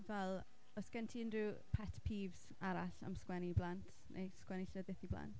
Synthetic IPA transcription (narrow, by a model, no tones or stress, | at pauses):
vɛlˠ | ɔsɡ̥ɛntʰiənriːpʰɛtʰpʰiːvs | aɾaɬa̰mskwɛniblˠantʰnḛjskwɛniɬəðɨθibla̰nt